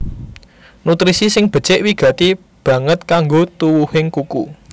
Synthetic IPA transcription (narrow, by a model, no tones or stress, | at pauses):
nut̪ɾisisɪŋb̥ə̤̥t͡ʃɪʔwiɡ̥ä̤t̪i | b̥ä̤ŋət̪̚kaŋɡot̪uwuhɪŋkukṵ